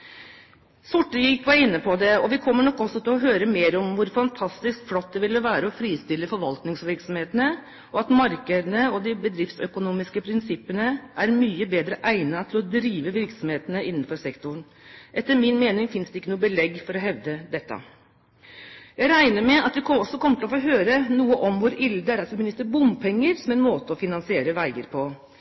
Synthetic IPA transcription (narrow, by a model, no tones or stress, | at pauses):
sʊʈːliːt̪ʋɑɪnːəpʰɔd̪ɛɔʋɪkʰɔmːəɳɔkːɔsːɔt̪ɪlɔɦøːɾəmeːɾɔmʋʊɾfɑnt̪ʰɑst̪ɪskflɔt̪̚d̪ɛʋɪlːəʋæːɾəɔfɾiːst̪ɪlːəfɔɾʋɑlt̪nɪŋsʋɪɾksɔmheːt̪ənə | ɔɑt̪mɑɾkəd̪ənəɔd̪ɪbəd̪ɾɪft̪sœkʊnuːmɪskəpʰɾɪnsɪpːənəʔæɾmyːəbeːd̪ɾəʔæɪnɑt̪ʰɪlɔd̪ɾiːʋəʋɪɾksɔmheːt̪ənəɪnːn̩fɔɾsɛkt̪ʊɳ | ʔɛt̪ːəɾmɪnmeːnɪŋfɪnsd̪ɛɪkːənuːəbəlɛɡːfɔɾɔɦɛʋd̪əd̪ɛt̪ːɑ̰ | jæɪɾæɪnəɾmɛɑt̪̚d̪ɛkʰɔsːɔkʰɔmət̪ʰɪlɔfoːɦøːɾənuːəʔɔmʋʊɾɪld̪əæɾɑt̪ʋɪmɪnɪst̪ːəɾbʊmpʰɛŋːəɾsɔmɛnmoːt̪əɔfɪnɑnsɪeːɾəʋæɪəɾpʰɔ